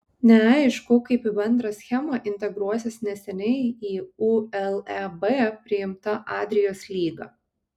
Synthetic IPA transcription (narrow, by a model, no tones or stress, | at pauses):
nʲɛɑɪɪʃkʊkɐɪpibʲɛnd̪ɾɑsʲxʲɛmɑʔɪnʲt̪ʲɛɡɾuɔsʲɪsnʲɛsʲɛnʲɛɪiːuɛlˠɛbeːpʲɾʲɪɪmt̪ɐʔɑːd̪ʲɾʲɪjoːslʲiːɡɑ̰ː